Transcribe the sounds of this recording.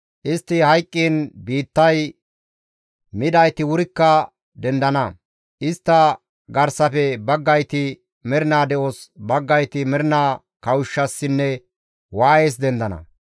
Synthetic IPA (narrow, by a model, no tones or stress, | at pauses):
ʔɪst̪ːɪhɐjkʼːiːnbiːt̪ːɐj | mɪd̪ɐjt̪ɪwʊɾɪkːɐ | d̪ɛnd̪ɐnɐ | ʔɪst̪ːɐ | ɡɐɾsɐfɛbɐɡːɐjt̪ɪ | mɛɾɪnaːd̪ɛʔoːsbɐɡːɐjt̪ɪmɛɾɪnaː | kɐwʊʃːɐsːɪnːɛ | waːje̞ːs̬d̪ɛnd̪ɐnɐ̰